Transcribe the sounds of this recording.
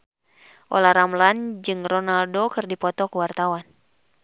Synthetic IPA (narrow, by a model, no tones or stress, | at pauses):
ʔɔ̰lahɾamland͡ʒɨŋrɔnaldokɨrdipɔt̪ɔkuwart̪awan